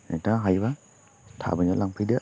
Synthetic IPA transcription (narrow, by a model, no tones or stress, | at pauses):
nataŋɦajba | tʰa̰bɯɲɔlaŋpʰɯjdɯ